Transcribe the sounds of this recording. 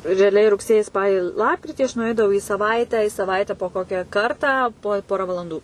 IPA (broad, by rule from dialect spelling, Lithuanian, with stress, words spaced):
rʲɛɐˈlʲɛɪ rʊkˈsʲeːjiː ˈspɑːlʲiː ˈlˠɑːpkrʲɪtʲiː ɐʃ nʊˈɛɪdɐʋɐʊ iː sɐˈʋɐɪtʲæː ɪ sɐˈʋɐɪtʲɛ poː ˈkoːkʲɛ ˈkɐrtɑː poː ˈpoːrɐ ʋɐlˠɐnˈduː